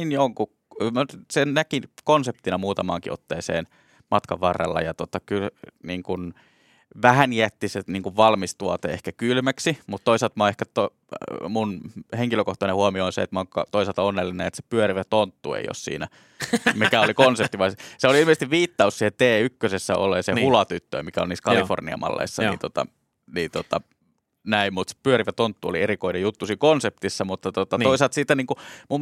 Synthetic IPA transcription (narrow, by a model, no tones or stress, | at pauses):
injoŋku | msennækinkonsep̚t̪inɑmuːt̪ɑmɑ̰ːŋkiʔo̰t̪ːeːsḛːn | mɑt̪kɑʋʋɑrːɑ̰lːɑ̰jɑt̪ot̪ɑkylniːŋkun | ʋæhæniæt̪ːiseniːŋkuʋʋɑlmist̪uɑt̪ḛehkækylmæksimut̪t̪oiselt̪mɑehkæt̪o | munheŋkiløkoht̪ɑnehuɑmioonsḛet̪moŋkɑ̰t̪oiselt̪ɑonːelːinenet̪se̥pyøriʋæt̪ont̪ːṵḛijo̰ssḭːnæ | mikæolikonsep̚t̪iʋɑisseoliilmisest̪iʋʋiːt̪ːɑussiːhet̪eːykːøsesːæo̰lːˑeːsehulɑt̪yt̪ːø̰mikæolniːskɑlifo̰rniɑ̰mɑ̰lːḛisːɑ̰niḭnt̪ot̪ɑ̰ | niːnt̪ot̪ɑ | næimmut̪se̥pyøɾiʋæt̪ont̪ːuo̰lierikoinejut̪ːusiːkonsept̪isːɑmut̪ːɑt̪ot̪ɑt̪oiset̪siːt̪ːæniːŋkumum